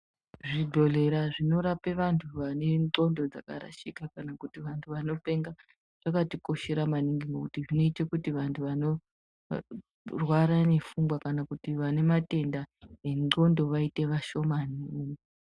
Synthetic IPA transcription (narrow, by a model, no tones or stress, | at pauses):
ʐibʱo̞le̞ɾaʐino̞ɾapeʋantʰuʋane̞ŋ͡ǃo̞ndo̞d͡za̰ka̰ɾa̰ʃikakanakutiʋantʰuʋano̞pe̞ŋɡa | ʐ̥akatiko̞ʃe̞ɾamaniŋɡiŋɡokutiʐino̞itekutiʋantʰuʋano̞ | rwaɾane̞fuŋɡwakanakutiʋane̞mate̞ndaɦeo̞ndo̞ʋaite̞ʋaʃo̞maniuje